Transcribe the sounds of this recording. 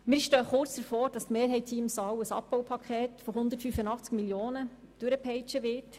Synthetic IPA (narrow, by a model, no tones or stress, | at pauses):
mɪːɾʃtœːχʊɾt͡sd̥əɾfoːɾd̥ɑstmeːɾɦɛɪtʰiːmsɑːwəsɑ̰p̚pɔwpʰɑkχɛːtfɔɦʊnd̪ətfyfənɑχt͡skmiljoːnə | d̥øɾəpʰɛɪt͡ʃəʋɪrt